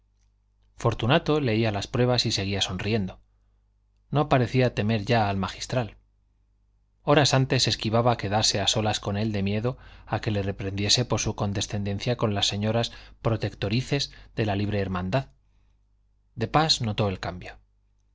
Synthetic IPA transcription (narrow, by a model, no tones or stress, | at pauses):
fo̞ɾt̪unat̪o̞le̞ialaspɾwe̞β̞asise̞ɣ̞iaso̞nrie̞nd̪o̞ | no̞paɾe̞θiat̪e̞me̞ɾʝaːlmaxist̪ɾal | o̞ɾasant̪e̞se̞skiβ̞aβake̞ðaɾse̞aso̞lasko̞ne̞ld̪e̞mje̞ðo̞ake̞le̞re̞pɾe̞nd̪je̞se̞po̞ɾsuko̞nd̪e̞sθe̞nd̪e̞nθjako̞nlasːe̞ɲo̞ɾaspɾo̞t̪e̞kt̪o̞ɾiθe̞zðe̞laliβɾe̞ːɾmãnd̪að | d̪e̞pazno̞t̪o̞e̞lkambjo